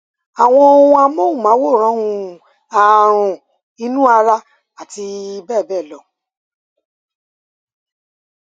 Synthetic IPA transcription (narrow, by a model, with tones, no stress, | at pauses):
a˨w̃ɔ̃˧wũ˦a˧mo˦ũ˦˨mãː˨˦wo˦˨ɾ̃ã˨˦hũ˧ | a˨ɾ̃ɔ̃˨ | i˧˦nũ˦a˧ɾa˧ | a˨ti˧bɛː˦˨bɛ˦˨lɔ˨˦